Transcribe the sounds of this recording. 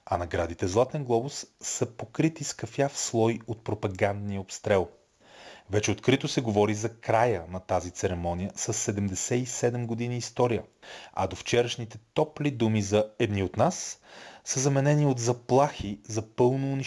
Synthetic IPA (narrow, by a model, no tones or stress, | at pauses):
ɐnɐɡɾad̪it̪ɛzlˠat̪ɛnɡlˠɔbʊsːɐpokɾit̪iskɐfjafslˠɔjot̪̚pɾopɐɡand̪nijəopst̪ɾɛlˠ | vɛt͡ʃɛot̪kɾit̪osɛɡovɔɾizɐkɾajənɐt̪azit̪sɛɾɛmɔnʲijəsəsːɛd̪ɛmd̪ɛsɛisɛd̪ɛmɡod̪iniːst̪ɔɾijəɐ̰d̪oft͡ʃɛɾəʃnit̪ɛt̪ɔplid̪umizɐɛd̪niot̪nasː | əzɐmɛnɛniod̪zɐplˠaxizɐpɤlˠnoːni